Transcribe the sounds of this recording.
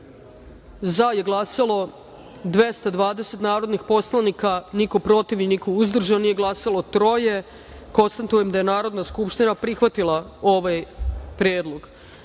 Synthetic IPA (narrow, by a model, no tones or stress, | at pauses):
zaje̞ɡlˠaːsalˠo̞ | d̪ʋe̞st̪ad̪ʋaːd̪eset̪naːɾo̞d̪nixpo̞slˠanikaniko̞pɾo̞t̪iʋinikouzd̪r̩ʒannije̞ɡlˠaːsalo̞t̪ɾo̞je̞ | ko̞nst̪at̪ujemd̪aje̞naːɾo̞d̪naskupʃt̪inapɾixʋat̪ilˠao̞ʋajpɾjeːd̪lˠoɡ